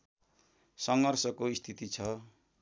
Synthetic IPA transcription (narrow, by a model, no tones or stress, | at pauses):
sʌŋɡʌrsʌkoist̪ʰit̪it͡sʰʌ